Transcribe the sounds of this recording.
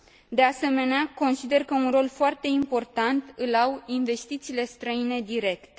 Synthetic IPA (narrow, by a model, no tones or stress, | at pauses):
d̪ease̞me̞neako̞nsid̪e̞rkəunro̞lfoart̪e̞impo̞rt̪ant̪ɨlawinve̞st̪it̪siːle̞st̪ɾəine̞d̪iɾe̞kt̪e